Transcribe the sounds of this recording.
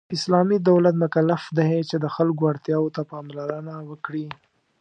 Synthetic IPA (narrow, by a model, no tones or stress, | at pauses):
ɪslɑmid̪awlat̪mʊkalːafd̪aɦet͡ʃed̪əxalkoaɽt̪jɑwot̪apɑmlaɾənawəkɽi